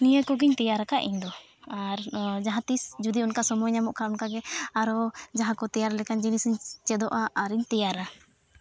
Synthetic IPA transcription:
nijəkɔɡiɲt̪ɛjaɾakaʔḭɲd̪ɔ | aɾd͡ʒaɦãt̪isd͡ʒud̪iunkasɔmɔɲamɔʔkʰaunkaɡɛaɾɔd͡ʒaɦãkɔt̪ɛjaɾalɛkand͡ʒinisiɲt͡ʃɛd̪ɔʔaːɾiɲt̪ɛjaɾa

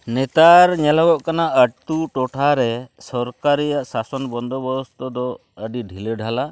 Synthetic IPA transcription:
nɛt̪aɾɲɛlawɔʔkanaʔəʈt̪uʈɔʈʰaɾɛsɔɾkaɾɛjaʔsasɔnbɔnd̪ʱɔbɔɾɔst̪ɔd̪ɔ | əɖiɖʱilɛɖʱala

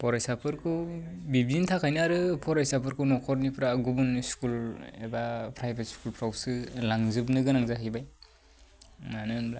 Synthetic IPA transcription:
pʰɔɾajsapʰɯɾkʰubib̚zintʰakʰajnɯɾɯpʰɔɾajsapʰɯɾkʰunɔkʰɔɾnipʰɾaɡubuniskulebapʰɾajbetskulpʰɾawsɯlaŋzɯbnɯɡɯnaŋzaɦɯjbaj | manɯnbla

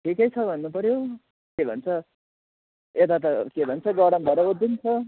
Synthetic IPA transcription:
ʈʰikʌjt͡sʰʌbʱʌnːupʌɾjo | kebʱʌ̰nt͡sʰʌ | et̪at̪ʌkebʱʌnt͡sʰʌɡʌɽʌmbʱʌɾʌbod̪int͡sʰʌ

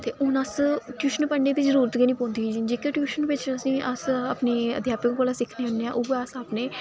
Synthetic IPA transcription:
t̪eːʔʊnəsʈjuːʃənpəɳɖeːd̪iːzəɾuːɾət̪ɡenĩːpõːnd̪ikiːd͡ʒiːnd͡ʒeːkeʈjuːʃənʋɪt͡ʃəsĩːʔəsaːpneːə̰d̪ʱjaːpəkkoːlaːsɪkʰneːʊnːeːã̰ʔʊbeasaːpneː

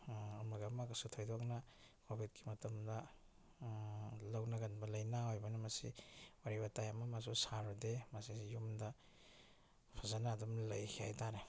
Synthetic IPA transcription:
ɐmaɡamaksutʰojdɔk̚nɐ | kobʱit̚ki̥mɐtɐmdɐ | lawnɐɡɐnbɐlɐjnaojbɐnɐmɐsḭwaɾibatajamɐmas̬usaɾudemasijumdɐ | pʰazanaːdumlɐjkʰiajtaɾe

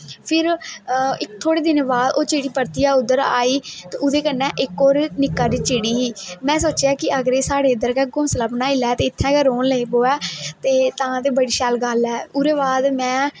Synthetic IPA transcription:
pʰɪɾ | ɪkt̪ʰoːɽeːd̪ɪnːbaːd̪oːt͡ʃeːɽiːpəɾt̪ijaːʊd̪əɾa̰ːiːt̪eːʊd̪eːkənːɛ̃ːʔɪkːoːɾnɪkːaːd̪iːt͡ʃeːɽiːɦiːmɛ̃ːsoːt͡ʃeaːkɪʔəɡɾeːsaːɽeːd̪əɾkɛːɡʊ̃ːsləbnaːɪlɛːt̪eːɪt̪ʰːɛ̃ːɡəɾoːnləiːboːɛːt̪eːt̪ãːt̪eːbəɽiːʃaːlɡəlɛːʊɾeːbaːd̪mɛ̃ː

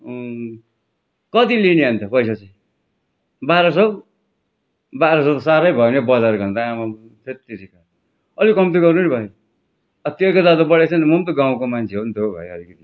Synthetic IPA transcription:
kʌt̪ilineant̪ʰʌpʌjsat͡sʌj | baɾʌsʌb | baɾʌsʌt̪saɾʌjbʱʌenebʌd͡zaɾɡʌnt̪aama | t̪ʰet̪ːiɾika | ʌlikʌmt̪iɡʌrnunibʱʌje | ʌt̪okod̪ad̪obʌɽet͡sʰʌnmʌnt̪oɡãw̃komant͡sʰeont̪ʰobʱʌ̰jeʌlikʌt̪i

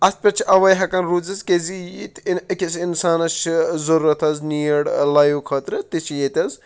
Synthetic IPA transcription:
ɐst̪̚pʲɐt͡ʃʰiʔɐʋɐjɦɐkɐnɾuːzɐzkezijit̪inɐkʲisinsaːnɐt͡ʃʰizɐɾuːɾɐt̪ʰɐzniːjɐɽlɐjukʰɐːt̪ɾɨt̪it͡ʃʰijet̪ʲɐz

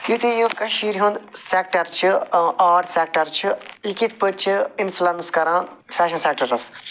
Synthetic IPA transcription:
jut̪ʰĩjũkɐʃiːɾiɦũnd̪sek̚ʈɐɾt͡ʃʰɨaːɖseːk̚ʈɐɾt͡ʃʰiikit̪ʰpɨt͡ʃʰiinflɐnskɐɾãːn | fʰʲɛːʃɐnseːk̚ʈɐɾɨs

